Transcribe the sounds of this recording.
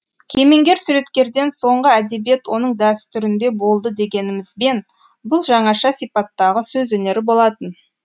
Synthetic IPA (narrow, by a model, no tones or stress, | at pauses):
kʲʰe̞me̞ŋɡʲe̞ɾsuɾe̞t̪kʲe̞ɾd̪e̞nso̞ɴʁəæd̪e̞bije̞t̪wo̞nəɴd̪æst̪ʰʏɾɪnd̪e̞bo̞lˠd̪əd̪e̞ɡʲe̞nɪmɪzbe̞n | bʊlˠʒɑɴɑʃɑsijpɑt̪ːɑʁəsɵzwɵne̞ɾɪbo̞lˠɑt̪ən